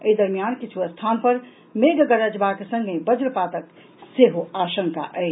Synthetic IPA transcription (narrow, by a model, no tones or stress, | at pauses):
əid̪əɾmijankit͡ʃʰuɐst̪ʰaːnpəɾ | meɡɡəɾəd͡ʒbakesə̃ŋɡʱebəd͡ʒɾpat̪ək | seɦoaːʃə̃ŋka̰ʔɛː